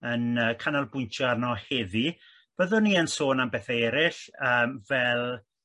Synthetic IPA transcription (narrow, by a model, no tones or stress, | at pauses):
ənəːkʰanalˠbʊjntʰɔarnɔhɛði | b̥əðʊniːənsoːnambɛθaɛɾɪɬəːmvɛlˠ